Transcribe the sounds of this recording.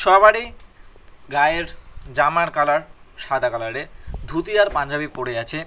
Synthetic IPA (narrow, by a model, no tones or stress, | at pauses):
ʃɔβaɽi | ɡaeɾd͡ʑamaɽkalaɽʃad̪ʱakalaɽed̪ʱut̪ijaɾpand͡ʑʱabipoɽeat͡ɕʰe